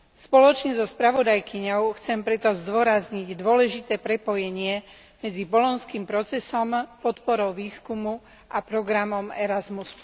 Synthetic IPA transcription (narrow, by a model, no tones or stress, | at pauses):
spɔlɔt͡ʃɲɛzɔspɾaʋɔd̪ajkiɲɔʊxt͡sɛmpɾɛt̪ɔzd̪ʊɔɾazɲiɟd̪ʊɔlɛʒit̪ɛːpɾɛpɔjɛɲɪɛ | mɛd͡zibɔlɔnskiːmpɾɔt͡sɛsɔmpɔt̪pɔɾɔʊʋiːskumu | ʔapɾɔɡɾamɔmɛɾazmus